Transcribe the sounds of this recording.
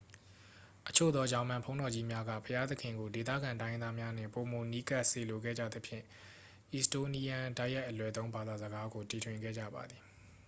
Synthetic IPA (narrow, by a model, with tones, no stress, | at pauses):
ʔət͡ɕʰo̰˦˨d̪ɔ˦d͡ʑã˦ʊ̃mã˨mpʰõ˦ʊ̃ndɔ˨d͡ʑi˦mja˦ɡä̰˦˨pʰəja˦t̪ə˦kʰɪ̃˨ŋɡo˨de˨t̪̬ä̰˦˨ɡã˨ntã˦ɪ̃˦nd̪a˦mja˦n̥ɪ̰̃˦˨po˨mo˨ni˦ka˦ʔse˨lo˨ɡɛ̰˦˨d͡ʑä̰˦˨d̪ə˦pʰjɪ̰̃˦˨ | ʔi˨sto˦˨ni˦jã˨da˦ɪja˦ɪʔːəlwɛ˨t̪õ˦ʊ̃mba˨d̪a˨zəɡa˦ɡo˨ti˨tʰwɪ̃˨ŋɡɛ̰˦˨d͡ʑä̰˦˨ba̰˨d̪ði˨